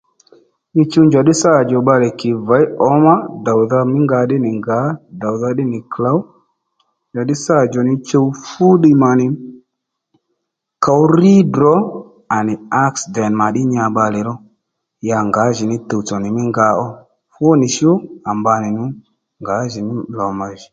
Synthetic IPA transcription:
ɲi˧t͡ʃo˧ɲd͡ʒa˨ɗɪ˦sa˦˨d͡ʒɔ˨ɓa˧lɛ˨kɪ˨va˨˦ɔ˨˦ma˦da˨wða˧mɪ˦ŋɡa˧ɗɪ˦nɪ˨ŋɡa˨˦da˨wða˧ɗɪ˦nɪ˨kla˨˦w | nd͡ʒa˨ɗɪ˦sa˦˨d͡ʒɔ˨nɪ˧t͡ʃo˧wfu˦ɗɪ˧ma˨nɪ˨ | ka˨˦wri˦dɔ˨˦ | a˨nɪ˨a˦ksdɛ˨nma˨ɗɪ˦ɲa˧ɓa˧lɛ˨ɾɔ˦ | ja˧ŋɡa˨˦ʒɪ˨nɪ˦tə˨wt͡sɔ˨nɪ˨mɪ˦ŋɡa˧˦ɔ˦ | fʊ˦nɪ˨ʃʊ˦a˨mba˧nɪ˨nʊ˦ | ŋɡa˨˦ʒɪ˨nɪ˦lɔ˨ma˨ʒɪ˨

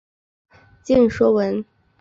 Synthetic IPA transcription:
t͡ɕi˥˩nʂwɔ˥wə˧˥n

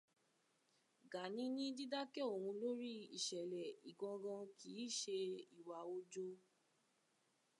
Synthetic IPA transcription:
ɡa˨nĩ˦nĩ˦di˦da˦kɛ˦˨o˨hũ˧lo˦ɾi˦i˨ʃɛ˨lɛ˨i˨ɡɔ̃˧ɡɔ̃˧kʰi˨˦˨ʃe˧i˨wa˨o˧d͡ʒo˦

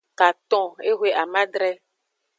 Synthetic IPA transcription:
ka˨t̪ɔ̃˨e˦ɦwe˦ʔa˨mã˦ɖɾɛ˦

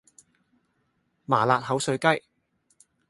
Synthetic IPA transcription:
maː˨˩laː˨t̚hɐ˨˥wsɵ˨˧ɥkɐ˥j

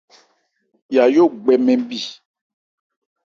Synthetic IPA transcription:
ja˨jo˦ɡ͡bɛ˨mɛ̃˨bi˨

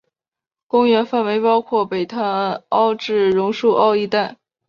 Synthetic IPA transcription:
kʊ˥ŋɥɛ˧˥nfa˥˩nwe˧˥ɪpɑ˥ʊkʰwɔ˥˩pe˨˩ɪt̪ʰa˥˩ɑ˥ʊʈ͡ʂɻ̩˥˩ɻʊ˧˥ŋʂu˥˧ʔɑ˥˧ʊi˥˧t̪a˥˩n

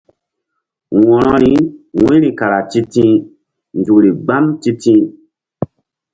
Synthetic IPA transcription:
wɔ̃˨ɾɔ˦ɾi˨˦wĩ˦ɾi˨ka˨ɾa˨ti˦tĩ˦ | nd͡ʒu˨kɾi˨ɡ͡ba˦mti˦tĩ˦

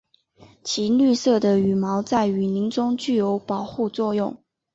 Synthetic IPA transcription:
t͡ɕʰi˧˥ly˥˧sɤ˥˩d̪ə˩y˨˩mɑ˧˥ʊt͡sa˥˩ɪy˧˥ni˧˥ŋʈ͡ʂʊ˥ŋt͡ɕy˥˩jo˧˥ʊpɑ˨˩ʊxu˥˧t͡swɔ˥˧jʊ˥˩ŋ

